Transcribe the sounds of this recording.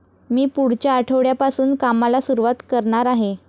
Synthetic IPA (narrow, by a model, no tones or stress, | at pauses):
miːpuɽ̤t͡ɕjaːʈʰəʋɽjapasuːnkamalasuɾuʋat̪kəɾɳaɾaɦe